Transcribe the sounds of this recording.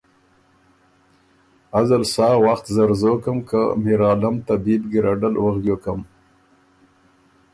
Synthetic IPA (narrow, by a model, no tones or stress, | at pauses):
azalsɑːwaxt̪zaɾzokəmka̰miɾɑːlamt̪abib̪ɡiɾaɖəlwaɣɡ̪jokam